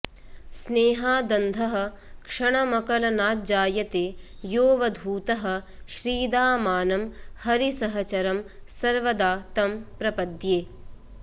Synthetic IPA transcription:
sneːɦaːd̪ɐnd̪ʱɐɦɐ̆ | kʂɐɳɐmɐkɐlɐnaːt̪̚d͡ʒaːjɐt̪eː | joːʋɐd̪ʱuːt̪ɐɦɐ̆ʃɾiːd̪aːmaːnɐmhɐɾisɐɦɐt͡ʃɐɾɐmsɐɾʋɐd̪aːt̪ɐmpɾɐpɐd̪jeː

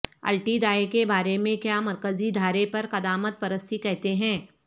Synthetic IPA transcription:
ɐ̰lʈid̪aːekebaːɾemẽkjaːmɐɾkəzid̪ʱaːɾepɐɾqɐd̪aːmət̪̚pɐɾəst̪ʰikɛɦt̪eɦɛ̃ː

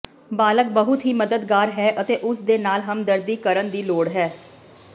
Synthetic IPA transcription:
baːləkbəɦʊt̪ɦiːməd̪əd̪ɡaːɾɦɛːʔət̪eːʔʊsd̪eːnaːlɦəmd̪əɾd̪iːkəɾənd̪iːloːɽɦɛː

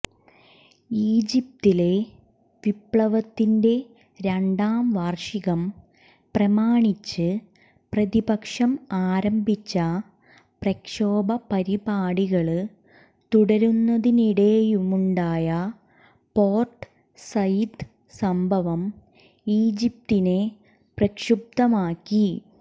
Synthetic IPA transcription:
iːd͡ʑip̚t̪ile̞ | ʋipɭɐʋɐt̪ːinde̞ | ɾeɳɖaːmʋaːrʂiɣɐm | prɐmaːɳit͡ɕːɨ | prɐðibɐkʂɐmaːɾɐmbʱit͡ɕːɐ | prɐkʂoːbʱɐpɐɾibaːɽiɣɐɭɨ | t̪uɽɐɾunːɐðiniɽeːjumuɳɖaːjɐ | po̞ːrʈ | sɐjd̪ | sɐmbʱɐʋɐm | iːd͡ʑip̚t̪ine̞ | prɐkʂub̚d̪ɐmaːkːi

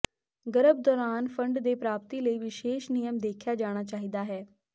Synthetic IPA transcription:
ɡəɾəb̚d̪ɔːɾaːnfə̃ɳɖd̪eːpɾaːp̚t̪iləiʋɪʃeːʃnijəmd̪eːkʰjad͡ʒaːɽ̃at͡ʃaːɦid̪aɦɛː

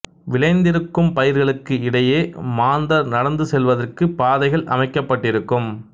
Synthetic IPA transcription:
ʋɪɭɐɪnd̪ɪɾɯkːɯmpɐjɪɾɣɐɭɯkːɯɪɽɐjeːmaːnd̪ɐɾnɐɽɐnd̪ɯsɛlʋɐðɐrkɯpaːðɐɪɣɐɭʔɐ̰mɐɪkːɐpːɐʈːɪɾɯkːɯm

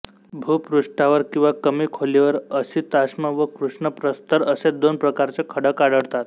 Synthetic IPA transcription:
bʱuːpɾuʂʈaʋəɾkĩw̃ʋakəmiːkʰoliʋəɾəsiːt̪asməʋəkɾuʂɳəpɾəst̪əɾəsed̪onpɾəkaɾt͡sekʰəɽəkaɽəɽt̪at̪

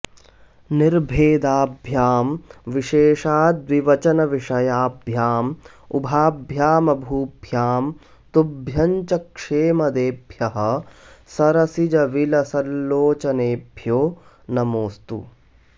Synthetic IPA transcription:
niɾbʱeːd̪aːbʱjaːmʋiʃeːʃaːd̪ʋiʋɐt͡ʃɐnɐʋiʂɐjaːbʱjaːm | ṵbʱaːbʱjaːmɐbʱuːbʱjaːm | t̪ubʱjɐɲt͡ʃɐkʂeːmɐd̪eːbʱjɐɦɐ̆sɐɾɐsid͡ʒɐʋilɐsɐlːoːt͡ʃɐneːbʱjoː | nɐmoːst̪ṵ

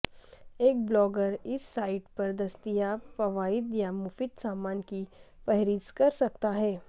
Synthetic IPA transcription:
eːk̚blɔːɡəɾɪsːaːɪʈpɐɾd̪ɐst̪ijapɐʋaːɪd̪jamʊfɪt̪saːmaːnkifɛɦɾiːskɐɾsɐk̚t̪aɦɛː

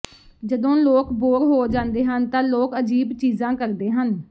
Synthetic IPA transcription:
d͡ʒəd̪õːloːkboːɾɦoːd͡ʒãːnd̪eːɦənt̪ãːloːkəd͡ʒiːbt͡ʃiːzãːkəɾd̪eːɦən

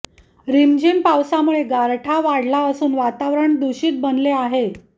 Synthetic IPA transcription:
ɾimd͡ʑenpawsamuɭeɡaɾʈʰaʋaɽlaəsuːnʋat̪aʋɾəɳd̪uɕiːt̪̚bənleaɦe

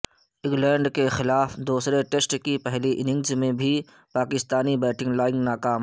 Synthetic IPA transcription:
ɪ̃ŋɡlɛ̃ːɳɖkexɪlaːfd̪uːsɾeʈesʈkipɛɦliʔɪnɪ̃ŋɡzmẽbʱi | paːkɪst̪aːnibɛːʈɪ̃ŋɡlaːɪ̃ŋɡnaːkaːm

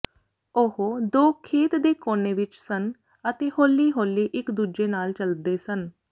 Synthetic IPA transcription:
ʊɦod̪oːkʰeːt̪d̪eːkoːneːʋɪt͡ʃsən | ət̪eːhoːlːiːɦoːlːiːʔɪkd̪uːd͡ʒeːnaːlt͡ʃəld̪eːsən

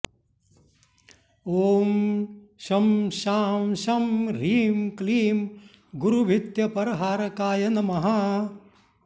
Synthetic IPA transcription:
oːm | ʃɐmʃaːmʃɐmɾiːmkliːm | ɡuɾubʱit̪jɐpɐɾɐɦaːɾɐkaːjɐnɐmɐɦa

